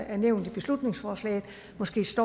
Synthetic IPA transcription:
æɐneʊ̰nd̥ib̥e̝slud̥ne̝ŋsfɒːslɛ̰ːð̩ˠ | mɒ̽sɡ̥e̝̰ːsd̥ɒ

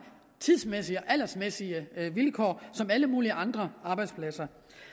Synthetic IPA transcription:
t͡sʰiðˠsmesiɒʔælɐsmesiəʋilkʰɒ̰ːsɒ̽mæləmuːliəʔɑ̈nd̥ʁɐʔɑ̈ːb̥ɑ̈ɪd̥spʰlæsɐ

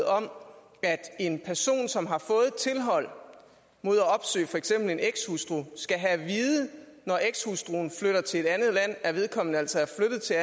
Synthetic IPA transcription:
ɒ̽m | æd̥e̝npʰæɐso̝̰ːnsɒ̽mɦɑ̈fɔ̽ːð̞̩ˠt͡sʰe̝lɦɒ̽l̰ | mo̝ð̞̰ˠæɒ̽b̥sø̰ːfɒ̽eɡ̥sem̰b̥l̩e̝neɡ̥shusd̥ʁusɡ̥æɦæʋiːðˠənɒʔeɡ̥shusd̥ʁuːn̩fløɾ̥ɐt͡sʰe̝le̝d̥ænðˠlæn̰æɐʋe̝ð̞ˠkʰɒ̽m̰nəæl̰sɒ̽æɐfløɾ̥ð̞̩ˠt͡sʰe̝

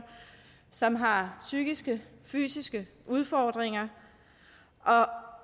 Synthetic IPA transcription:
sɒ̽mɦɑ̈syɡ̥isɡ̥əfy̰ːsisɡ̥ə | ʔuð̞ˠfɒːd̥ʁeŋɐ | ʔɒ̽

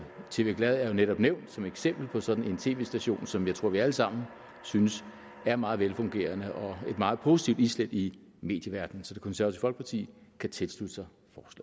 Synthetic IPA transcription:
t͡sʰe̝ːʋe̝ːɡlæð̞ˠæɐjo̝neɾ̥ɒ̽b̥neʊ̰nd̥sɒ̽meɡ̥sem̰b̥l̩pʰɒ̽sɒ̽d̥n̩e̝nt͡sʰe̝̰ːʋe̝ːsd̥æɕo̝̰ːnsɒ̽mjɑ̈ɪt͡sʰʁo̝ɐ̰ʋiæləsɑ̈m̰n̩ | synəs | æɐmɑ̈ːð̞̩ˠʋelfɔ̽ŋɡ̥e̝̰ːɐnəʔɒ̽e̝d̥mɑ̈ːð̞̩ˠpʰo̝ːsi̥t͡sʰiʊd̥isled̥i | me̝ːd̥jəʋæɐd̥n̩sɒ̽d̥ekʰonsæɐt͡sʰe̥fɒ̽l̰ɡ̥̚pʰɑ̈t͡sʰḭːkʰæt͡sʰe̝lsl̥ud̥əsɑ̈ɪ | fɒːslɛ̰

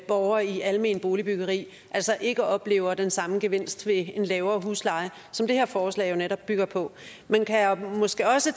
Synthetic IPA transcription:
b̥ɒʊɐːiʔælme̝ːnb̥o̝ːlib̥yɡ̥ɐʁḭː | ʔælsɒ̽ʔe̝ɡ̥ɒ̽b̥le̝̰ːʊɐd̥ensɑ̈məɡ̥e̝ʋe̝n̰sd̥ʋe̝e̝nlɛːʊɐːɦuslɑ̈ɪə | sɒ̽md̥e̝heɐfɒːslɛ̰ːjo̝neɾɒ̽b̥ːyɡ̥ɐpʰɒ̽ | menkʰæmɒ̽sɡ̥e̝ːɒ̽sə

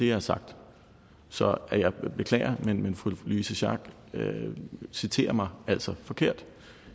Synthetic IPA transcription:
e̝jɑ̈hæɐsɑ̈ɡ̥̚d̥ | sɒ̽æjɑ̈ɪb̥e̝kʰlɛ̰ːɪɐmenmenfuluisəɕɑ̰̈ɡ̥ | øsit͡sʰe̝̰ːɐmɑ̈ɪæl̰sɒ̽fɒ̽kʰe̝ɐ̰d̥

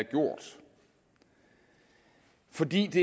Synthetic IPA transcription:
ɐɡ̥jo̝ɐ̰d̥ | fɒ̽d̥ḭːd̥e̝

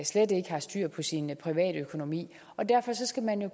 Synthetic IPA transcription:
slede̝ɡ̥əhɑ̈sd̥yɐ̰pʰɒ̽sinpʰʁiʋɛ̰ːɾ̥økʰo̝no̝mḭː | ɒ̽d̥æɐ̰fɒ̽sɒ̽sɡ̥æmænjo̝

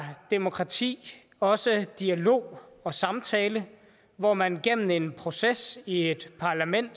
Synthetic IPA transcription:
d̥e̝mo̝kʰʁɑ̈t͡sʰḭː | ɒ̽səd̥iælo̝̰ːɒ̽sɑ̈mt͡sʰɛːlə | ʋɒmænɡ̥em̰n̩e̝npʰʁo̝sesie̝d̥pʰɑ̈læmen̰d̥

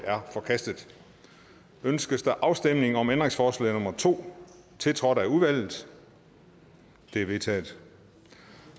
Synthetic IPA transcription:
æɐfɒ̽kʰæsd̥ð̩ˠ | ønsɡ̥əsd̥ɑʔɑ̈ʊsd̥em̰ne̝ŋ̩ɒ̽mend̥ʁeŋsfɒːslɛ̰ːnɔ̽mɐt͡sʰo̝̰ː | t͡sʰe̝lt͡sʰʁɒ̽d̥æuðˠʋæl̰ð̩ˠ | d̥e̝ʋe̝t͡sʰɛ̰ːð̩ˠ

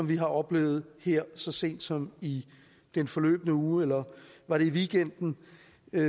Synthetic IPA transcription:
ɒ̽mʋiɦɑ̈ʔɒ̽b̥le̝̰ːʊð̞̩ˠheɐ̰sɒ̽se̝̰ːnd̥sɒ̽mi | d̥enfɒ̽lø̰ːb̥ənəuːelɐʋɑ̈ɾ̥e̝iʋiɡ̥en̰d̥n̩

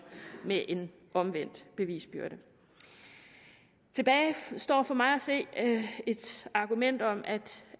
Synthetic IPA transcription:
meʔe̝n | ʔɒ̽mʋen̰d̥b̥e̝ʋḭːsb̥yɐɾ̥ə | t͡sʰe̝b̥ɛːɪsd̥ɒ̰ːfɒ̽mɑ̈ɪæse̝̰ːe̝d̥ɑ̈ɡ̥umen̰d̥ɒ̽mʔæd̥

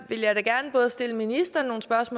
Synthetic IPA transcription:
ʋe̝ljɑ̈ɪɾ̥æɡ̥æɐnəb̥ɔ̽ːð̞̩ˠsd̥e̝ləminisd̥ɐno̝ːn̩sb̥ɶɐsmɔː

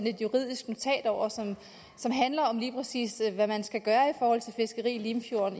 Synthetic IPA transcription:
ne̝d̥juʁið̞̰ˠisɡ̥mo̝t͡sʰɛ̰ːd̥ɒʊ̰ɐsɒ̽m | sɒ̽mɦænlɐɒ̽mliːpʰʁɐsḭːsʋæmænsɡ̥æɡ̥ɶːɐifɒːhɒ̽l̰t͡sʰe̝lfe̝sɡ̥ɐʁḭːlimfjo̝ɐn

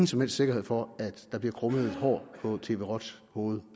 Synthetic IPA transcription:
ŋn̩sɒ̽mhel̰sd̥se̝ɡ̥ɐhe̝ð̞̰ˠfɒ̽æd̥d̥ɑ̈b̥liɐkʰʁɔməð̩ˠe̝d̥ɦɒ̰ːpʰɒ̽t͡sʰe̝ːʋe̝ːʁɒd̥s | ho̝ːð̩ˠ

